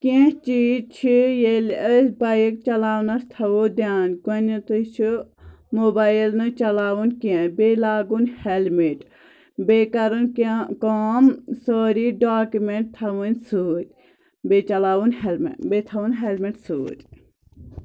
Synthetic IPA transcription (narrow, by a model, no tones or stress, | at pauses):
kẽht͡ʃiːt͡ʃʰijeləsbɐjek̚t͡ʃɐlaːwnɐst̪ʰɐʋod̪jaːnkɐnʲit̪ɨt͡ʃʰu | moːbaːjlnɨt͡ʃɐlaːwunʲkẽbeːlaːɡunʲhelmeʈ | beːkɐɾunkkoːmsoːɾiɖaːkumeɳʈ̚t̪ʰːɐʋunʲsuːɾʲ | bet͡ʃɐlaːwunhelmḛbet̪ʰɐwunɦelmeʈsuːɾʲ